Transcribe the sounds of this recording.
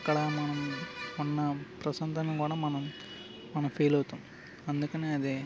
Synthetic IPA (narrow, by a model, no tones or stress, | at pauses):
kɐɽaːmɐnɐmɔnːɐpɾɐsɐnd̪ɐnɐkuːɽɐmɐnɐm | mɐnɐ̃mfiːlɐt̪ːum | ɐnd̪ɯkːɐneɐðɯ